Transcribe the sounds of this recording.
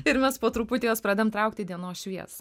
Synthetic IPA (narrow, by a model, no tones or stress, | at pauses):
ɪɾmʲɛspoːt̪ɾupʊt̪ʲejoːspɾɑːd̪ʲejɛmt̪ɾɐʊk̚t̪ʲɪd̪ʲiɛnoːʃʲʋʲiɛ̰s